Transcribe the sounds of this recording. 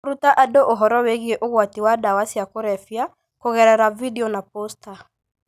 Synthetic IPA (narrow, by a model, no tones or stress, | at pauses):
ɾutaʔadoʔoɦɔɾɔweɣieʔoɣwatiwadawasiakoɾɛfja | koɣɛɾɛɾavidiɔnaposta